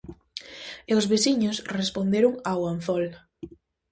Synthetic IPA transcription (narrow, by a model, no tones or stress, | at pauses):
eʊzβesiɲʊsrespond̪eɾʊŋawan̟θɔl